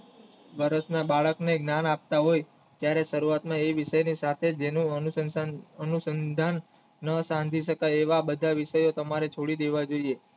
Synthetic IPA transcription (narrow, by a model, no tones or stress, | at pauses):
ʋəɾəsnabaɭəkneɡnanap̚t̪aɦoj | t̪jaɾeʃəɾuat̪mãeʋɪʃəjnisat̪ʰed͡ʒenũənuəənusənd̪ʱanː | əsãnd̪ʱiʃəkajeʋabəd̪ʱaʋɪʃəjot̪əmaɾet͡ʃʰoɽid̪eʋad͡ʒoie